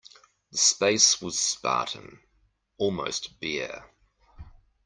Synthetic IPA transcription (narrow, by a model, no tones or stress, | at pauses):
ðəspeɪswɒz̥spɑ̰ˑɾə̃n̩ | ɔlˠmə̰ʊstb̥ɪ